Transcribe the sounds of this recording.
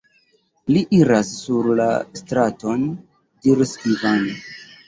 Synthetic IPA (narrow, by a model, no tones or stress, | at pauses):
liʔiɾasːuɾla̰stɾato̞n | diɾskivan